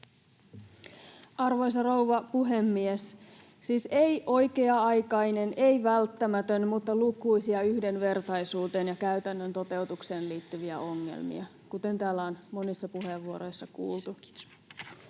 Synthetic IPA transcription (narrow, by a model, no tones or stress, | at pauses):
ɑrʋo̞js̬ɑrowʋɑpuɦe̞mːies | siːsejʔo̞jke̞ɑɑjkɑjne̞nejʋælt̪ːæmæt̪ønmut̪ːɑlukujsiɑyhde̞nʋe̞rt̪ɑjsuːt̪e̞ːnjɑkæyt̪ænːønt̪o̞t̪e̞ut̪ukse̞ːnliːt̪ːyʋiæʔo̞ŋːḛlmḭɑ | kut̪e̞nt̪æːlːæːnmo̞nisːɑpuɦe̞ʋːuo̞ɾo̞jsːɑkṵːlt̪u